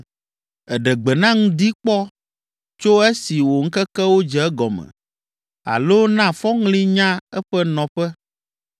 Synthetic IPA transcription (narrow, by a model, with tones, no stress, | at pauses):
ɛ˨ɖɛ˨ɡ͡bɛ˨nã˦ŋũ˦d̪i˦k͡pɔ˦ | t͡ʃo˦e˦si˨wo˨ŋ̩˦kɛ˦kɛ˦wo˦d͡ʒɛ˨ɛ˦ɡɔ˨mɛ̰̃˨ | a̰˨lo˦nã˦fɔ˦ŋlĩ˦ɲã˦ɛ˦ɸɛ˦nɔ̃˨ɸɛ˦